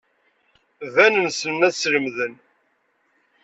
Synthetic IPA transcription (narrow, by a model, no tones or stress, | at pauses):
ðænənsənæsləmðən